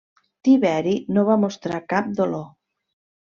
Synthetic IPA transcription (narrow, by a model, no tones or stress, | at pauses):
t̪iβɛɾinoβamost̪ɾakap̚d̪olo